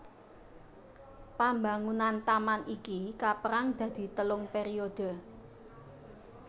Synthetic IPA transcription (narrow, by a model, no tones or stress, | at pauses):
pambaŋunant̪amanʔikikapəɾaŋd̪̥ä̤d̪̥i̤t̪əlʊŋpeɾiod̪̥ə̤